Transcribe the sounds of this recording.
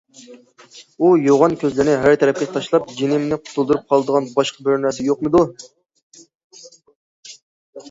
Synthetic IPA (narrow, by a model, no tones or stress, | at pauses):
ujoʁɑnkʲʰøzlɪɾnɪɦæɾt̪ʰɛɾɛp̚kʲet̪ʰɑʃlˠɑp̚d͡ʒenɪmnɪqʰʊ̥t̪ʰulˠd̪uɾup̚qʰɑlˠd̪əʁɑnbɑʃqɑbøɾnɛsɪjoqmɨd̪u